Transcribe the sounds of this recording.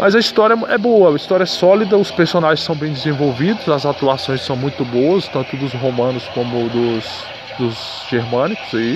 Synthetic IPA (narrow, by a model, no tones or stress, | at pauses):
mɐzɐist̪ɔɾʲjɐɛboɐist̪ɔɾiɐɛsɔlid̪ɐʊspeɾsonaʒẽsɐ̃w̃bẽj̃d͡ʒɪzẽvowvid̪ʊzɐzat̪uasõj̃sɐ̃w̃mũj̃t̪ʊbowɐst̪ɐ̃nt̪ʊd̪ʊzɦomɐ̃nʊskõmʊd̪ʊs | d̪ʊz | ʒ̥eɾmɐ̃nikʊ̥z̥ai